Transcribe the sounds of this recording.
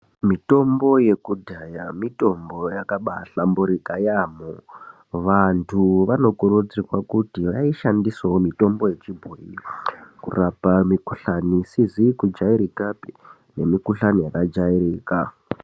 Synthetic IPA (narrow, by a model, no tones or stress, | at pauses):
mito̞mbo̞je̞kudʱajamito̞mbo̞jakaɓa̰ɬambuɾikajamo | ʋantʰuʋano̞kuɾud͡zirwakutiʋaiʃandisawomito̞mbo̞je̞t͡ʃibʱoḭkṵrapamikuɬanisizikud͡ʒaiɾikapi | ne̞mikuɬanijakad͡ʒaiɾiːka